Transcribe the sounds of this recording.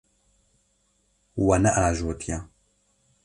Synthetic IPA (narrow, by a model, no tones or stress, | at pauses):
wanaʔaʒoːtʰija